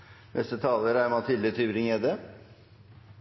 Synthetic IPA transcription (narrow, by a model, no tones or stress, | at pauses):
mɛ̰st̪ət̪ʰɑːləɾæɾmɑt̪ʰɪlət̪ʰʏbɾɪŋed̪ə